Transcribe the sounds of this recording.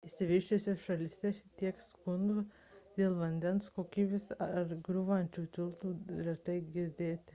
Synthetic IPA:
ɪsʲɪʋʲɪʃʲt͡ʃʲesʲosʃɐlʲɪsʲɛʃt̪ʲiɛkskʊnd̪u | d̪̥ʲeːlˠʋɐnʲd̪ʲɛnskoːkʲiːbʲesɐɾɡɾʊʋɐnʲt͡ʃʲuːt̪ʲɪlˠt̪uːlʲɛt̪ɐɪɡʲɪɾʲd̪ʲeːt̪ʲɪ

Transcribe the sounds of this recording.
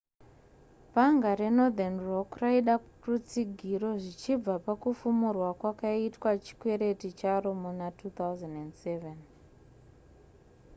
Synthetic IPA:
paŋɡaɾe̞no̞d̪anrokraiɗa | rut͡siɡʱiɾo̞ʐit͡ʃib͡vapakufumurwakwakaitwat͡ʃi̥kweɾe̞tit͡ʃaɾo̞munatut̪awzanendseven

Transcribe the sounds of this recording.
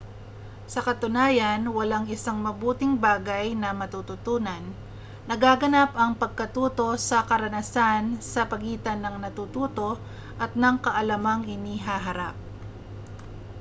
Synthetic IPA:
sɐkɐt̪ʊnaːjɐnwɐlaŋɪsaŋmɐbuːt̪ɪŋbaːɡajnɐmɐt̪ut̪ʊt̪uːnɐnː | ɐɡaːɡɐnapɐŋpɐɡ̚kɐt̪uːt̪o̞sɐkɐɾɐnɐsansɐpɐɡiːt̪ɐnɐŋnɐt̪uːt̪uːt̪o̞ | ʔɐt̪̚nɐŋkɐʔɐlɐmaŋhɪniːɦaːɦɐɾap̚

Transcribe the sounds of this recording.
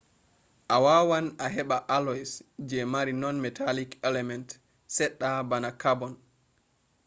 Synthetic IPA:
ʔawawanaɦɛɓaʔalɔsd͡ʒɛmaɾinɔnmɛtʰalikɛlɛmɛnt | sɛɗːabanakabɔn

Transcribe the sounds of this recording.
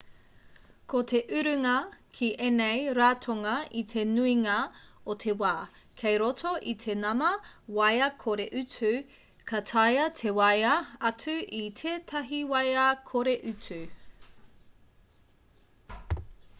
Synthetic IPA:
kʰot̪ʰe̞ʔʉɾʉŋɐkʰiʔenejɾaːtʰoŋɐit̪ʰe̞nuiŋɐot̪ʰe̞waː | kʰejɾotʰoʔit̪ʰe̞nɐmɐwɐjɐkʰoɾeʔʉt͡sʉ | kʰɐtʰɐjɐtʰe̞wɐjɐɐt͡sʰʉʔit̪ʰeːtʰɐɦiwɐjɐkʰoɾeʔʉt͡sʉ

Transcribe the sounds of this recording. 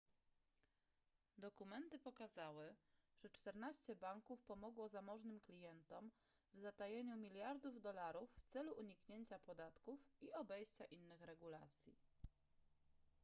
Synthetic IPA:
d̪ɔkumɛnt̪ɘpɔkazawɘʐ̥ɛt͡ʂt̪ɛɾnaɕt͡ɕɛbaŋkufpɔmɔɡwɔzamɔʐnɘmklʲijɛnt̪ɔm | vzat̪ajeɲumʲilʲjaɾd̪uvd̪ɔlaɾufːt̪sɛluʔuɲikɲeɲt͡ɕapɔd̪at̪kufiɔbɛjɕt͡ɕaʔinːɘxɾɛɡula̰t̪sʲjḭ

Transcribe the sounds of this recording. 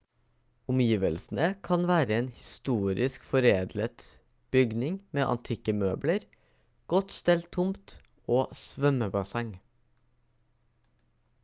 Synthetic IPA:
ʊmjiːʋəlsn̩əkʰɑnʋæːɾəeːnhɪst̪uːɾɪskfɔɾeːd̪lət̪ | b̥ʏɡnɪŋmeːʔɑ̰nt̪ʰɪkəmøːbləɾ | ɡ̥ɔt̪st̪ɛlt̪ʰːʊmt̪ | oːsʋœməbɑsɛŋ

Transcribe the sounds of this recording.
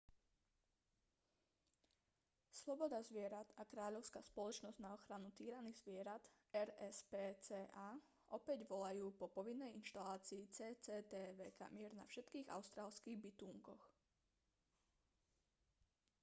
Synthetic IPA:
slɔbɔd̪azʋɪɛɾad̪̥akɾaːʎɔʊskaːspɔlɔt͡ʃnɔzɟnaɔxɾanut̪iːɾaniɣzʋɪɛɾat̪ | ɛɾɛspɛːt͡sɛːʔaː | ʔɔpɛɟʋɔlajuːpɔpɔʋinːɛjinʃt̪alaːt͡siːt͡sɛːt͡sɛːt̪ɛːʋɛːka̰mɪɛɾna̰fʃɛt̪kiːɣa̰ʊst̪ɾaːlskiːɣbit̪uːŋkɔx

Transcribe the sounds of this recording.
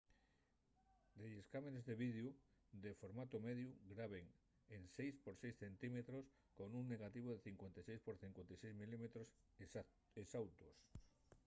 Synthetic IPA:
d̪ejeskamenezðeβiðjud̪efoɾmat̪omeðjuɡɾaβ̞eŋ | ensejspoɾsejsθe̞nt̪imet̪ɾos | konuŋneɣ̞at̪iβ̞oðeθiŋkwent̪ejsejspoɾθiŋkwent̪ejsejzmilimet̪ɾos | esawt̪os

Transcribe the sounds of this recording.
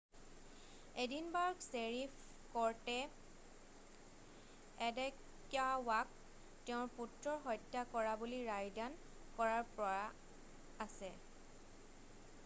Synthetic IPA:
edinbaɹɡseɹif | kɔɹtɛ | ɛdɛk | jawak̚ | tɛʊ̃ɹputɹɔɹɦɔjtːakɔɹabuliɹajdan | kɔɹaɹpɹɔa | asɛ

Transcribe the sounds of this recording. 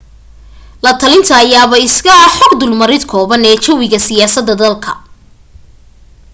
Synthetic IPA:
lɐt̪ʰɐlɪnt̪ʰɐːjaːβɐɪskɐħɔɡd̪ʊlmɐɾɪd̪kʰɔːβɐnɛːt͡ʃɔwɪɣɐsɪjaːsɐd̪ːɐd̪ɐlkʰɐ̥

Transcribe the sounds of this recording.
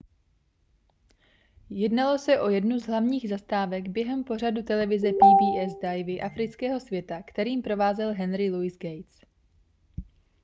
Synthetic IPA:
jɛdnalo̞sɛʔo̞jɛdnuzɦlavɲiːɣzast̪aːvɛɡbjɛɦɛmpo̞r̝adut̪ɛlɛvɪzɛpiːbiːʔɛzdajvɪʔafɾɪt͡skɛːɦo̞svjɛt̪akt̪ɛɾiːmpɾo̞vaːzɛlɦɛnɾɪluɪzɡɛjt͡s

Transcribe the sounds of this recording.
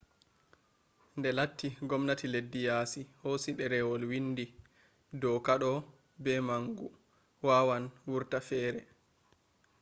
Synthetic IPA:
ndɛlatʰːiɡɔmnatiledːijaːsihosiɗɛɾɛwɔlwindi | dɔkaɗɔ | bɛmaŋɡu | wawanwuɾtafɛːɾɛ

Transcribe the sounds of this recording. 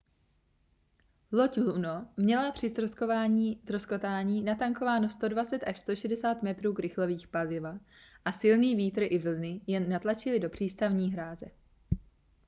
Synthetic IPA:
locunomɲɛlapr̝̥ɪst̪ɾoskovaːɲiːt̪ɾosko̞t̪aːɲiːnat̪aŋko̞vaːnost̪o̞dvat͡sɛt̪ʔaʃst̪o̞ʃɛdɛsaːt̪mɛt̪ɾuːkɾɪxlo̞viːxpalɪva | ʔasɪlniːviːt̪r̩ʔɪvl̩nɪjɛnːat̪lat͡ʃɪlɪdo̞pr̝̥iːst̪avɲiːɦɾaːzɛ

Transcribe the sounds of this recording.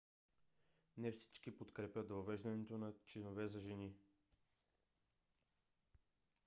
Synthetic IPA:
nɛfsi̥t͡ʃkipot̪kɾɛpʲjəd̪vɐvɛʒd̪ɐnɛt̪onɐt͡ʃinovɛzɐʒɛni

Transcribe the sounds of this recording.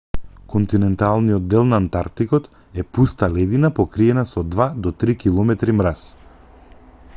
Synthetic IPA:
kɔnt̪inɛnt̪alˠnijɔd̪ːɛlˠnaːnt̪aɾt̪ikɔt̪ | ɛpust̪alɛd̪inapɔkɾiɛnasɔd̪vad̪ɔt̪ɾikilˠɔmɛt̪ɾimɾas

